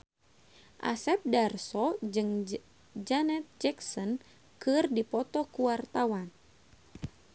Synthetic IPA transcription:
ʔa̰sɛp̚darsɔd͡ʒɨŋ | d͡ʒanɛt̪̚d͡ʒɛksɔn | kɨrdipɔt̪ɔkuwart̪awan

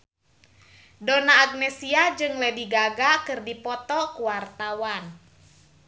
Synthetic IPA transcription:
dɔnaːɡ̚nɛsiad͡ʒɨŋlɛdiɡaɡakɨrdipɔt̪ɔkuwart̪awan

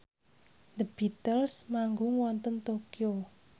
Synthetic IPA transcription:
d̪əb̥it̪əlsmaŋɡʊŋwɔnt̪ənt̪okio

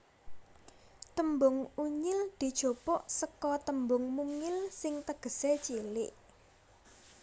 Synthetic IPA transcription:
t̪əmbʊŋuɲɪld̪̥i̤d̥ʒ̥o̤pɔʔsəkɔt̪əmbʊŋmuŋɪlsɪŋt̪əɡ̥ə̤set͡ʃilɪʔ

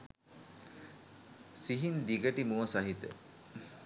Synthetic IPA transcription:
siɦind̪iɡəʈimuəsaɦit̪ə̰

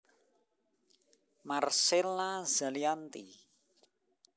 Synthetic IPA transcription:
marsɛlaza̤liant̪ḭ

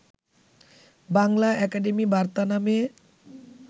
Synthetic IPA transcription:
baŋlaʔɛkaɖemibaɾt̪aname

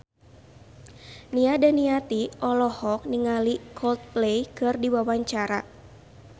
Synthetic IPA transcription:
niadaniat̪iɔlɔhɔk̚niŋalikʰɔlt̪̚plejkɨrdiwawaɲt͡ʃaɾa

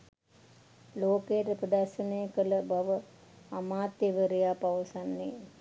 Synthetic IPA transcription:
loːkejəʈəpɾəd̪arʃənejəkələbaʋə | amaːt̪eʋəɾejaːpaʋəsanːe

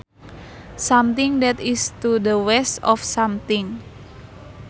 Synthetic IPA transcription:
samt̪ɪŋd̪ɛt̪ist̪ud̪əwɛstɔfsamt̪ɪŋ

